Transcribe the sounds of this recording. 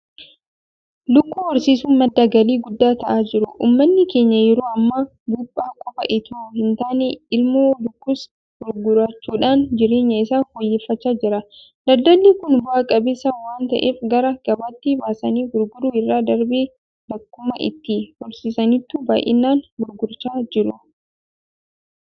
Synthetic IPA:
lʊkːuːhɔɾsiːsuːnmɐd̪ːaɡɐliːɡʊd̪ːaːt̪ɐʔaːd͡ʒɪɾʊʔṵːmːɐnːɪke̞ːɲːɐjɛɾuːɐmːɐ | ɡuːpʼːaːkʼːɔbɐʔɪt̪uːhɪnt̪aːneɪlmoːlʊkːʊs | ɡ̥ʊɾɡʊɾɐt͡ʃːuːᶑaːnd͡ʒɪɾeːɲːɐɪsaːfɔjːeːfːɐt͡ʃːaːd͡ʒɪɾɐ | d̪ɐd̪ːɐlːiːkʊnbʊʔaːkʼɐbɪsɐwaːnt̪ɐ̰ʔeːfɡɐɾɐɡ̥ɐbaːt̪ːɪbaːsɐniːɡʊɾɡʊɾuːɪrːaːd̪ɐɾbeː | bɐkːʊmɐʔɪ̰t̪ːɪhɔlsiːsɐnɪt̪ːuːba̰ːjʔɪ̰nːaːnɡʊɾɡʊɾt͡ʃaːd͡ʒɪɾʊ

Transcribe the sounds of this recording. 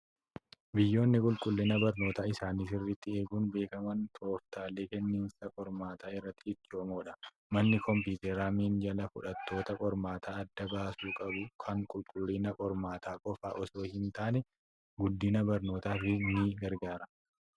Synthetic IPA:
bɪjːo̞ːnːɪkʼʊlkʼʊlːiːnɐbɐɾno̞ːt̪aːɪsaːniːsɪrːɪt̪ːɪe̞ːɡuːnbe̞ːkɐmɐnt̪ʰo̞ːft̪aːleːkɛnːiːnsɐkʼɔɾmaːt̪ʰaːɪrːɐt̪ːɪːt͡ʃːoːmoːᶑɐ | mɐnːɪkɔmp̬uːt̪ɛɾaːmiːnd͡ʒɐlɐfʊᶑɐt̪ːo̞ːt̪ɐkʼɔɾmaːt̪ʰaːɐd̪ːɐbaːsuːkʼɐbʊkʰɐŋkʼʊlkʼʊlːiːnɐkʼɔɾmaːt̪ʰaːkʼɔfa̰ːʔɔso̞ːhɪnt̪aːnɛ | ɡʊd̪ːinɐbɐɾno̞ːt̪aːfɪniɡɐɾɡaːɾɐ

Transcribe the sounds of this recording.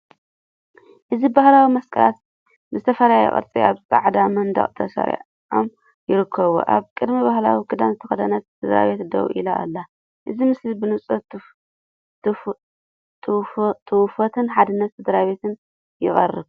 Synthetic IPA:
ʔɨzibahlawimɐskʰʼɐ̰la̰t̪ | mɨzɨt̪ʰɐfɐlajɛ̰χʼɐ̰ɾt͡sʼiaβsʼa̰ʕd̪amɐnd̪ɐ̰χʼt̪ʰɐsɐ̰ɾḭʕ | o̰m | jɪɾɨkʰːɐβo̰ʔa̰βkʼɨd̪mibahla̰wikʰɨd̪amzɨt̪ʰɐxɐd̪ɐnɐt̪sɨd̪ɾa̰βe̞t̪d̪ɐ̰wʔḭlaʔa̰lːa | ʔɨzimɨslibɨnɨt͡sʼɐ | t̪ʰʼt̪ʰɨwfot̪ʰɨnħad̪ɨnːɐt̪sɨd̪ɾaβe̞t̪ɨn | jɪχʼɐ̰rːɨβ

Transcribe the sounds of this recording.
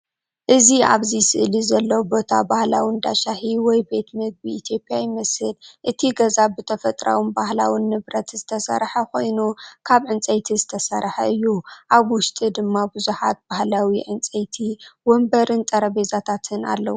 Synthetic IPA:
ʔɨzia̰βzisɨʔlizɐlːɐwbo̞t̪ʰabahlawind̪a̰ʃaħiwɔjbe̞t̪mɨɡ̚biːt̪ʰjo̞pʼijajɪmɐshɨlʔɨt̪ʰiɡɐzabɨt̪ʰɐfɐt̪ʼɾa̰wɨnbahla̰winːɨβɾɐt̪zɨt̪ʰɐsɐ̰ɾħɐko̞jnukʰaβʕɨnt͡sʼɐjt̪ʰizɨt̪ʰɐsɐɾħɐɨjːuʔaβwʊʃt̪ʼid̪ɨmːabɨzuħat̪̚bahlawiʕɨnt͡sʼɐjt̪ʰiwɔmbɐɾɨnt̪ʼɐɾɐβezat̪ʰat̪ʰɨna̰lːɐ̰wu

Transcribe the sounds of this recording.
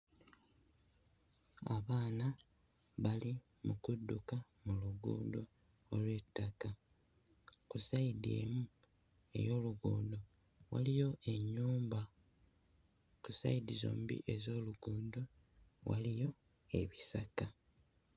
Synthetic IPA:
aβaːna | βali | mukudːuka | muluɡṵːnd̪oː | lwe̞tːaka | kusaide̞̰ːmu | e̞̰jo̞ːluɡuːndo̞ | wa̰lijo̞ʔe̞ɲːuːmba | kusa̰idizo̞̰ːmbḭʔe̞zo̞ːluɡuːndo̞ | wa̰lijo̞ | e̞βisaka

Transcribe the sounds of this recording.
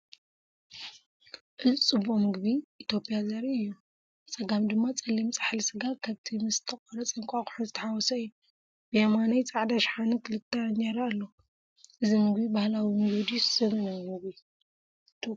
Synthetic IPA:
ʔɨlt͡sʼɨbomɨɡbiʔːt̪ʰjo̞pʼijazɐɾiɨjːu | sʼɐɡamd̪ɨmːat͡sʼɐlːimt͡sʼḁħlisɨɡakʰaβt̪ʰimɨsɨt̪ʰɐkʼɔɾɐt͡sʼɐŋkʷʼakʼʊ̥ħuzɨt̪ʰɐħawɔsɐɨjːu | bɨjamanɐjt͡sʼaʕd̪aʃħanɨkʰɨlɨt̪ʰːɐɲɐɾalːo | ʔɨzimɨɡbibahlawimɨɡβd̪isɨmɨnɐmɨɡbi

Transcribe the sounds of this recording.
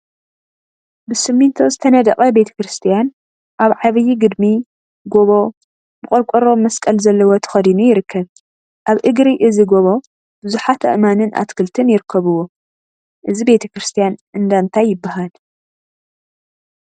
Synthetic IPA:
bɨsɨmːɨnt̪ʰozɨt̪ʰɐnɐd̪ɐqʼɐbe̞t̪ʰɐ̥kɾɨst̪ʰijan | ʔaβʕaβɨjːiɡɨd̪mi | ɡo̞βo̞ | bɨkʼɐlkʷʼɔɾo̞mːɐskʼɐlzɐlːɐwot̪ʰɨ̥xɐd̪inujɪɾɨkʰːɐβ | ʔaβʔɨɡɾiʔɨziɡo̞βo̞ | b̥ɨzuħat̪ʰɐ̰ʔmanɨnʔa̰t̪kʰɨlt̪ʰɨnjɪɾɨkʰːɐβɨwo | ʔɨzibe̞t̪ʰɐkɾɨst̪ʰijanʔɨnd̪ant̪ʰajːɪbːahal

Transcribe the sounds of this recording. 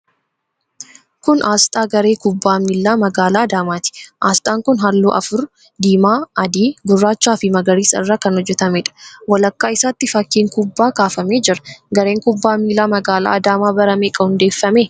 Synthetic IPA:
kʊnʔaːst̪ʼaːɡɐɾe̞ːkʊbːaːmiːlːaːmɐɡaːlaːɐd̪aːmaːt̪ɪ̥ʔaːst̪ʼaːŋkʊnɦalːṵːʔɐ̰fʊɾ | d̪iːmaːɐd̪iːɡʊrːaːt͡ʃːaːfɪmɐɡɐɾiːsɐɪrːaːkɐnhɔd͡ʒːɛt̪ɐmɛᶑɐ̥wɐlɐkːaːɪsaːt̪ːɪfɐkːiːŋkʊbːaːkaːfɐmeːd͡ʒɪɾɐ̥ɡɐɾe̞ːŋkʊbːaːmiːlːaːmɐɡaːla̰ːd̪aːmaːbɐɾɐmeːkʼɐhʊnd̪e̞ːfːɐmeː

